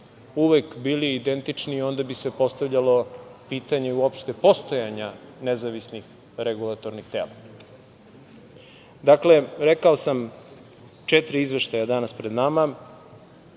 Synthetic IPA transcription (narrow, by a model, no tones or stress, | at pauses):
uʋekbiliid̪e̞nt̪it͡ʂniːo̞nd̪abise̞po̞st̪aʋʎalo̞piːt̪aɲeuo̞pʃt̪e̞po̞st̪o̞jaɲanezaʋisnix | ɾeɡulˠat̪o̞ɾnixt̪ḛma | d̪akle̞ɾekaosam | t͡ʃet̪ɾiizʋeʃt̪ajad̪anaspɾed̪nama